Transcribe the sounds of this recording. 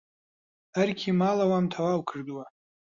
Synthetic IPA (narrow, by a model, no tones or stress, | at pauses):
arkʲʰimalawamtʰawawkʰɨrdwa